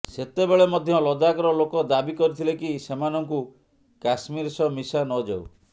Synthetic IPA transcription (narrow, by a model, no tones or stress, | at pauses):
set̪ebeɭemɔd̪ʱjɔlɔd̪akɔɾɔlokɔd̪abikɔɾit̪ʰilekisemanɔŋku | kasmiɾsɔmisanɔd͡ʒa̰w